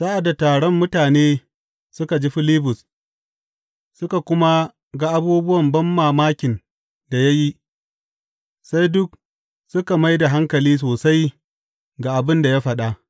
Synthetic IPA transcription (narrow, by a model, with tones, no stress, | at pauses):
saː˦ʔa˨da˨taː˨ɽɔ˦mːʊ˦taː˨neː˦ | sʊ˦ka˨d͡ʒi˦ɸɪ˦liː˦bʊ˨s | sʊ˦ka˨kʷʊ˦ma˦ | ɡa˨ʔa˦buː˦bʊ˦wɐ˨mbɐ˦mːaː˨maː˦kʲɪ˨n | da˨ja˦ji˦ | sa˦jdʊ˦k̚ | sʊ˦ka˨ma˦jda˨ɦa˦ŋkɐ˨liː˦s̬oː˨sa˦j | ɡa˨ʔa˨bɪ˦nda˨ja˦ɸɐ˨ɗa˦ʔ